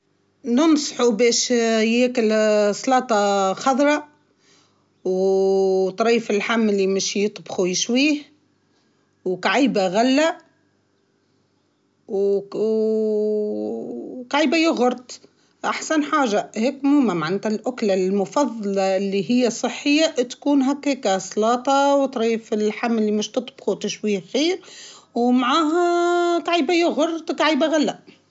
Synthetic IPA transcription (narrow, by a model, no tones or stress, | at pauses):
nənsˤħubɛːʃjeːkɪlslɑːt̪ˤɑxɑd̪ˤɾˤɑ | w | t̪ˤɾˤiːfɪlħamːɪlːimɪʃjɨt̪ˤbxujɪʃwiːh | wkaʕiːbaɣalːæ | w | kaʕiːbajʊɣʊɾˤt̪ˤ | ʔaħsanħaːʒaheːkmumamaʕant̪alʔʊklalmʊfɑðˤːɑlɑɪlːiɦɪjːasˤɨħːɪjːaʔt̪kuːnɦakːekasˤlɑːt̪ˤɑwt̪ɾˤiːfɪlħamːɪlːimɪʃt̪ɨt̪ˤbxut̪aʃwiːxiːɾwmaʕaːɦak̪aʕiːbajʊɣʊɾˤt̪ˤkaʕiːbaɣalːaʔ